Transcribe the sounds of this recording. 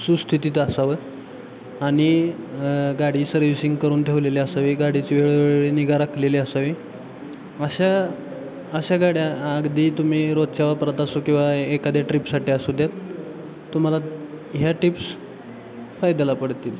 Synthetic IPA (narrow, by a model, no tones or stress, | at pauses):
sust̪ʰit̪it̪əsaʋə | aɽ̃i | ɡaɽiːsəɾʋisiŋɡkəɾuːnt̪ʰeʋleleəsaʋiɡaɽit͡ɕiʋeɭɭiːniɡaɾakʰleliəsaʋi | əɕa | əɕaɡaɽjaːɡd̪iːt̪um̤iːɾod̪̚t͡ɕaʋapɾat̪asokĩw̃ʋaekad̪aʈɾipsaʈiasud̪ʱjat̪ː | um̤ala | ɦjaʈips | fajd̪alapəɽt̪iːl